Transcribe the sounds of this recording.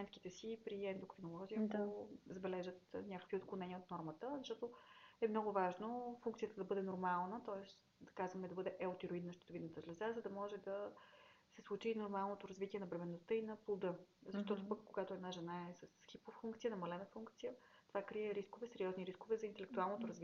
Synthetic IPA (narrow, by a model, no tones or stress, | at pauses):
mɛnt̪̚ki̥t̪ɛsipɾiɛnd̪okɾinolˠɔziəd̪ozɐbɛlɛʒət̪nʲakə̥kvʲiot̪̚klˠonɛniəot̪nɔɾmət̪əzɐʃt̪ɔt̪oɛmnɔɡʊvaʒnofuŋkt̪sijət̪əd̪ɐbɤd̪ɛnoɾmalˠnət̪ɔɛs | d̪ɐkazvəmɛd̪ɐbɤd̪ɛʔɛʊt̪ɛɾoid̪nɐʃt̪ɛt̪ovid̪ət̪ɐzlɛzazəd̪ɐmɔʒɛd̪ɐ | sɛslˠut͡ʃinoɾmalˠnot̪oɾɐzvit̪ʲiɛnɐbɾɛmɛnːost̪ɤinɐplˠod̪ɤzɐʃt̪ɔt̪opəkːoɡat̪oɛd̪naʒɛnaɛsɐsxipoffuŋkt̪sijənɐmɐlɛnəfuŋkt̪sijət̪ovakɾiɛɾiskovɛsɛɾʲijɔzniɾiskovɛzɐint̪ɛlɛkt̪ualˠnot̪oɾɐzviɛ